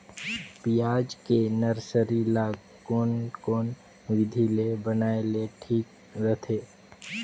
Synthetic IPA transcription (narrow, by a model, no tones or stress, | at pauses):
pijaːd͡ʒkenəɾsəɾilaːɡ | koːnkoːn | ʋɪd̪ʱilebənaːeleʈʰiːk | ɾət̪ʰeː